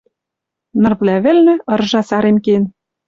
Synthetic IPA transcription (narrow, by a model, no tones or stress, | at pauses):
nɤ̆rβlʲæβɘ̆lʲnɘ̆ɤ̆rʒɑsɑɾemken